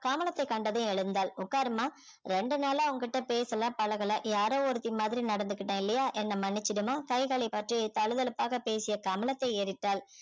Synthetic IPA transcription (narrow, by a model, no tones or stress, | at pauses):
kaːmɐlɐt̪ːɐɪkːɐɳɖɐðʊ̃ɛɻɯnd̪aːlʊkːaːɾɯmaː | ɾɛɳɖɯnaːlaːʊŋɡɐkɪʈːɐpeːsɐlãːpɐɭɐɣɐɭɐjaːɾõːɔɾɯt̪ːɪmaːðɪɾinɐɽɐnd̪ɯkːɪʈːɐ̃ːɪlːɐjaːʔɛnːɐmɐnːɪt͡ʃːɪɾɯmaːkɐɪɣaɭipɐʈrit̪ɐɻɯðɐlɯpːaːɣɐpeːsɪjɐkɐmɐlɐt̪ːɐɪeːɾɪʈːaːl